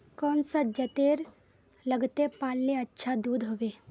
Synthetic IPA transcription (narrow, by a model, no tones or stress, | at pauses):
kɔːnsad͡ʒət̪eːɾ | ləɡt̪epaːlːeɐtːʃʰad̪uːd̪ɦoːʋeː